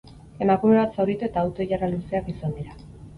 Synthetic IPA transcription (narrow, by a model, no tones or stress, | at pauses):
e̞makume̞βat̪sawɾit̪ue̞t̪aːwt̪o̞iʝaraluse̞akisand̪iɾa